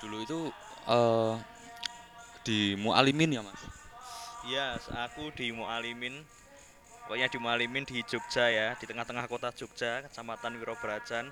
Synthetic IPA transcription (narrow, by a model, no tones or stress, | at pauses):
d̪̥uluit̪u | ə | d̪̥imuʔa̰limɪnjamas | jasa̰kud̪̥imuʔalimɪn | wɛ̰ɲad̥i̤mualimɪnd̪̥i̥d͡ʒ̥uk̚ʒ̥ajad̪̥i̤t̪əŋaht̪əŋahkot̪ḁd͡ʒ̥uk̚ʒ̥akət͡ʃamat̪anwiɾob̥əɾḁd͡ʒ̥an